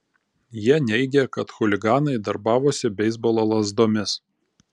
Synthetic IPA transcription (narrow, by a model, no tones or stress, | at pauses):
jiɛnʲɛɪɡʲɛkɐt̪xʊlʲɪɡɑːnɐɪd̪ɐɾbɑːʋoːsʲɪbʲɛɪzbolˠɐlˠɐzd̪oːmʲɪs